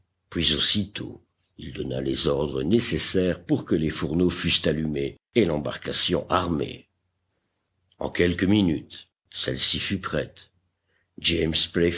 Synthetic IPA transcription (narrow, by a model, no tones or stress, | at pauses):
pɥizosit̪ʰo̰ | ild̪ɔna̰lezɔʁd̪ʁənesesɛʁpuʁkəlefuʁnofyst̪alymeː | lɑ̃ba̰ʁkasjɔ̃ʔaʁmḛ | ɑ̰̃kʲɛlkəminyt̪ | sɛlsifypχɛt̪ | d͡ʒemspe